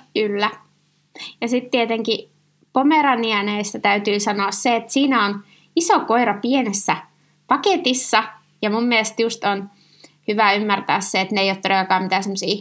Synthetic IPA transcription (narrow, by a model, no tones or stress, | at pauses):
kylːæ | jɑsit̪t̪iet̪eŋki | pomeɾɑniæneist̪æt̪æyt̪yːsɑnoːsseet̪siːnæon | isokoiɾɑpienesːæ | pɑket̪isːɑ | jɑmumːielst̪just̪on | hyʋæymːært̪æ̰ːsseet̪neijoːt̪ːrøʋɑkɑːmmit̪æːsemːosiː